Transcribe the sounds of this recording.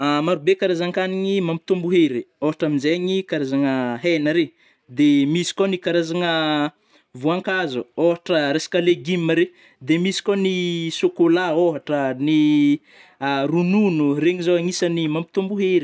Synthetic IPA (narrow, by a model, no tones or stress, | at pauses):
amaɾubekaɾazaŋkaniɲimampi̥t̪umbuɦeɾioɦaʈ͡ʂaminzeɲikaɾazaŋəɦenəɾe | d̪emisi̥konikaɾazaŋə | vuaŋkazuoɦaʈ͡ʂəɾesi̥kaleɡiməɾe | d̪emisi̥kʲonisokolaoɦaʈ͡ʂəni | rununureɲizoaŋisanimampit̪umbuɦeɾi